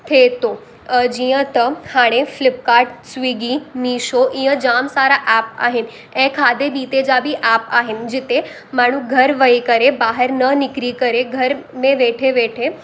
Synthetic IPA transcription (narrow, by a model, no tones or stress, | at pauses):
t̪ʰet̪o | d͡ʒijə̃t̪əhaːɽ̃eflɪp̚kaːɾʈsʋiɡiniːʃoʔĩjə̃d͡ʒaːmsaːɾaʔɛːp̚a̰ːɦɪn̆ | ɛ̃kʰaːd̪ebiːt̪ed͡ʒabʱiʔaːpaːɦɪnɪ̆d͡ʒɪt̪e | maːɳ̤ũɡʱɐɾʋəikəɾebaːɦəɾnənɪkɾikəɾeɡʱɐɾmẽʋeːʈʰeʋeːʈʰe